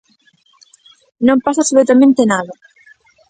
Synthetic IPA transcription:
nõmpasasuβet̪amẽnt̪enaðɐ

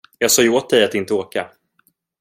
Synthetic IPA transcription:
jɑːɡsɑːjoːt̪̚d̪ɛjat̪ɪnt̪əoːka

